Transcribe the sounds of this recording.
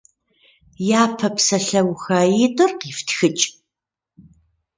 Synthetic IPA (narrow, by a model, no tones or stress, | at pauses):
jaːpʰɐpsɐɬɐwxaːjitʼɨrqiːftxɨt͡ʃʼ